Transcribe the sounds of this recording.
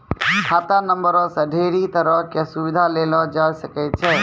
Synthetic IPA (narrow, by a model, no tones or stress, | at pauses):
kʰat̪anəmbəɾɔsəɖʱeɾit̪əɾəɦkesubid̪ʱalelɔd͡ʒasəkɛt̪̚t͡ʃʰɛ